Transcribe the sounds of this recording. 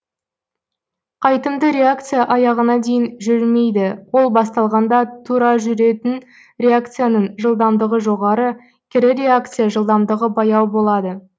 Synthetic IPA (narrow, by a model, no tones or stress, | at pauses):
qʰɑjt̪əmd̪əɾe̞akt̪sɨjaʔɑjɑʁənɑd̪e̞jɪnʒʏɾme̞jd̪ɪwo̞lˠbɑs̬t̪ɑlˠʁɑnd̪ɑt̪ʰuɾɑʒʏɾe̞t̪ɪn | ɾʲe̞ak̚t̪sɨjanəɴʒəlˠd̪ɑmd̪əʁəʒo̞ʁɑɾə | kʲʰɪɾɪɾʲe̞ak̚t̪sɨjaʒəlˠd̪ɑmd̪əʁəbɑjɑwbo̞lˠɑd̪ə